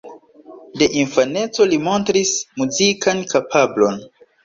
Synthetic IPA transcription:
de̞ʔinfane̞t͡so̞limo̞ntɾismuzikankapʰablo̞n

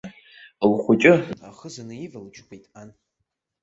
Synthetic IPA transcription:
lχʷʊt͡ʃʼɪaχəzanɨivalt͡ʃʰkʰʷejtʼan

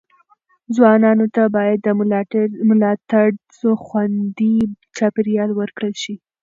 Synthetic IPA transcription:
zwɑnɑnot̪abɑjad̪ːə | mʊlɑt̪aɽzoxwand̪i | t͡ʃɑpeɾijɑlwəɾkɽəlʃi

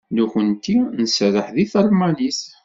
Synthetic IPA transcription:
nuçənt̪inəsɾəħðiθəɾˤmænis

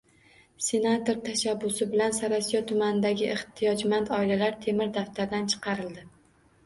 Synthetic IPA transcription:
se̞nat̪o̞ɾt̪ʰaʃabːʊsɪbɪlansaɾasijɒt̪ʰʊmanɪd̪aɡʲɪʔeht̪ʰijɒd͡ʒmant̪ʰɒɪlalaɾt̪ʰe̞mɪɾd̪aft̪ʰaɾd̪ant͡ʃʰɨ̥qʰɑɾɪld̪ɪ

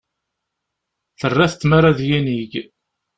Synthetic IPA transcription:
θərˤːaθət͡s̪ːmaɾˤaðjiniʝ

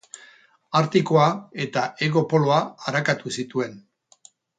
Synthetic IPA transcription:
aɾt̪iko̞ae̞t̪aʔe̞ɣo̞po̞lo̞aːɾakat̪usit̪ue̞n

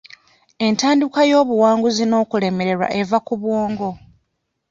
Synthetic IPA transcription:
e̞ntaːndikajo̞ːβuwaːŋɡuzino̞ːkule̞me̞ɾe̞ɾwa̰ʔe̞vakuβwoːŋɡo̞

